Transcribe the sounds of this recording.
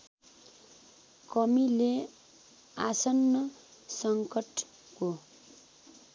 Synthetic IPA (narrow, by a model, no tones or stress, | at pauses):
kʌmile | asʌnːʌsʌŋkʌʈ | ko